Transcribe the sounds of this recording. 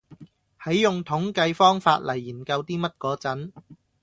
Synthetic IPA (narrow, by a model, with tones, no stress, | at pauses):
hɐ˨˥jjʊ˨ŋt̪ʰʊ˨˥ŋkɐ˧jfɔː˥ŋfa̰ː˧t̚lɐ˨˩jːiː˨˩nkɐ˧wt̪iː˥mɐ˥t̚kɔː˨˧˥t͡sɐ˨˥n